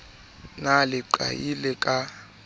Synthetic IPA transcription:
nalɪǃa̰jilɛkʼa

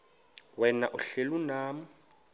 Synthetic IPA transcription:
wɛna̰ʔʊɬelunaːmʊ

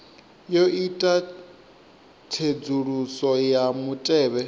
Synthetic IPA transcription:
joitʼa | tʰed͡zuɺusɔjamutʼɛːβɛ

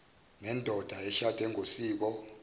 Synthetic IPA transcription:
nɛndʱɔd̥ʱaɛʃatʰʼɛŋʱosiːk̬ɔ

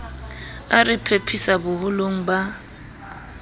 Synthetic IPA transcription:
arɪpʰepʰisabʊhʊloŋ̩ba

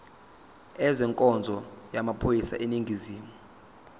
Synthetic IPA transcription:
ɛzɛŋkʼɔnd͡zʱɔjamapʰojisa̰ʔeniŋɡʱiziːmu

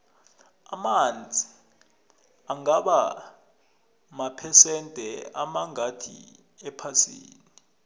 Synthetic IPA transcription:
amand͡zʱi | aŋaɓa | mapʰɛsɛntʼɛamaŋad̥ʰʱḭ | ɛpʰasḭːni

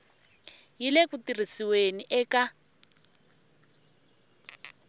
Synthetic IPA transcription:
jilekutir̤isiweniʔɛka

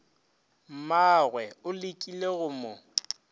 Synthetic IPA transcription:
m̩maɣwɛʊlɪkʼileɣʊmʊ

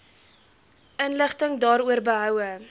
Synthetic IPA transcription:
ʔənləχtəŋdɑːɾuərbəɦœwə

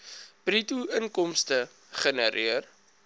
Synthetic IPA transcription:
prituənkɔmstə | χənəɾʔiər

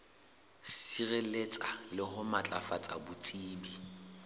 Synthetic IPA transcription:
sirelet͡sʼalɪhʊmat͡ɬʼafat͡sʼa̰bʊt͡sʼiːbi

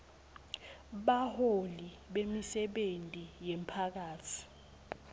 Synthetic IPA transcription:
ɓaholi | ɓemisɛɓentʼijempʰak̬aːtʰi̥

